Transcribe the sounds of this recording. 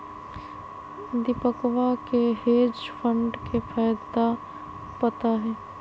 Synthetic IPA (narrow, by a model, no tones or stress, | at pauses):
d̪ɪpəkʋakeɦeːd͡ʒpʰəɳɖkepʰaːjd̪a | pət̪aɦɛː